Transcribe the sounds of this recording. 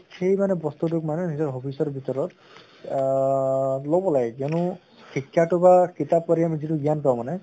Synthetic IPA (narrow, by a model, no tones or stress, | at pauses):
xejmanɛbɔst̪ut̬ʊkmanɛnizɔɹɦopʰisɔɹbʱitɔɹɔt | lobɔlaɡɛkɛnʊ | xikʰːjatʊbakitapːaɾiamizituɡijanpawmanɛ